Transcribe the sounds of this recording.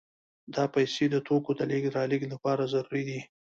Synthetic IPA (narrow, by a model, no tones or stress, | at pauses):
d̪ɑpajsed̪ət̪okod̪aliɡ̪ɾɑliɡlapɑɾazaɾuɾid̪i